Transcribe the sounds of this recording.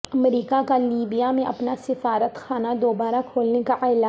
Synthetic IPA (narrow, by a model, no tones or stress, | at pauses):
ɐmɾiːkakaliːbijamẽʔɐpnasɪfaːɾət̪xaːnad̪oːbaːɾakʰoːlnekaʔɛːlaː